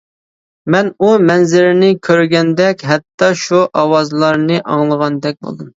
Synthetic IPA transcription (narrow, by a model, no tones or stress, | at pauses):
mɛnumɛnzɪɾɪnɪkʲʰøɾɡʲɛnd̪ɛkʲɦɛt̪ːɑʃuʔɑwɑzlˠɑɾnɨʔɑŋlˠəʁɑnd̪ɛk̚ʲbo̰lˠd̪ɨm